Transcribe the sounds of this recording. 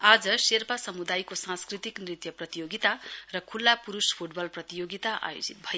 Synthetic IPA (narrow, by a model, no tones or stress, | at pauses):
ad͡zʌserpasʌmud̪ajkosãnskrit̪iknrit̪jʌprʌt̪ijoɡit̪arʌkʰulːapuɾuspʰuʈbʌlprʌt̪ijoɡit̪aʔa̰jo̰d͡zit̪̚bʱʌj